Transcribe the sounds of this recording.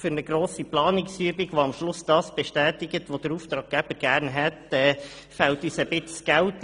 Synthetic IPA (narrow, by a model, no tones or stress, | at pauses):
fʏɾnəɡɾoːsiplɑːnɪksyəbiɡʋoɑmʃlʊsd̥̪ɑːsb̥ɛʃtæːt̪ɪɡətʋod̥̪əɾuft̪ɾɑːɡ̚ɡæb̥əɾɡ̥æːɾnɦɛt̪ɛː | fælt̪yːsəbɪt͡sɡ̥ælt